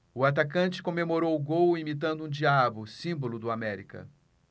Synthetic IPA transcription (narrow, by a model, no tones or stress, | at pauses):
ʊat̪akɐ̃t͡ʃɪ̥kõmemoɾowʊɡowimit̪ɐ̃nd̪ʊũd͡ʒiabʊsĩmbolʊd̪ʊamɛɾikɐ̰